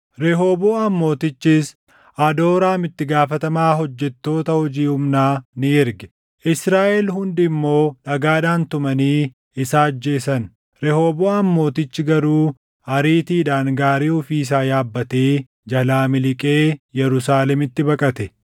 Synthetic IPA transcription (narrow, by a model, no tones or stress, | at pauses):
ɾɛɦo̞ːboːɐmːo̞ːt̪ɪt͡ʃːɪs | ʔɐd̪o̞ːɾaːmɪt̪ːɪɡaːfɐt̪ɐmaːɦɔd͡ʒːɛt̪ːo̞ːt̪ɐhɔd͡ʒiːhʊmnaːnɪɪɾɡɛ̥ | ʔɪsɾaːʔɛlhʊnd̪ɪmːo̞ːᶑɐɡaːᶑaːnt̪ʊmɐniː | ɪsaːd͡ʒːe̞ːsɐn | ɾɛho̞ːboːɐmːo̞ːt̪ɪt͡ʃːɪɡɐɾuː | ɐɾiːt̪iːᶑaːŋɡaːɾiːʊfiːs̬aːjaːbːɐt̪eː | d͡ʒɐlaːmɪlɪkʼeːjɛɾʊsaːlɛmɪt̪ːɪbɐkʼɐt̪ɛ